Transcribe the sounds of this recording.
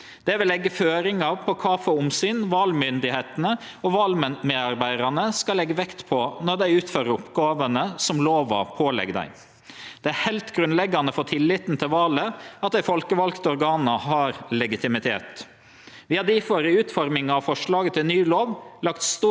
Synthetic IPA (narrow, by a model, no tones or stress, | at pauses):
d̪̥ɛʋɪlːɛɡːəføːɾɪŋɑpʰɔkʰɑfəʊmsyːnʋɑːlmʏnd̪ɪheːt̪ənə | ɔʋɑːlmmeːd̪ɑɾbæɪd̪ɑnəskɑlɛɡːəʋɛkt̪pʰɔnɔɾd̪æɪʉːt̪føːɾəɾʊpɡɑːʋənəsɔmloːʋɑ̰pʰoːlɛ̰ɡd̪æ̰ɪ | d̪̥ɛæhɛɪlt̪ɡɾʉnlɛɡːɑnəfɔt̪ʰɪlːɪt̪nt̪ʰɪlʋɑːləɑt̪̚d̪æɪfɔlkəʋɑlkt̪ɔɾɡɑːnəɦɑɾlɛɡɪt̪ɪmɪt̪ʰḛːt̪ | ʋɪhɑd̪iːfɔɾəʉːt̪fɔɾmɪŋɑʋfɔʂɭɑːɡət̪ʰɪlnyːloːʋlɑkt̪st̪uː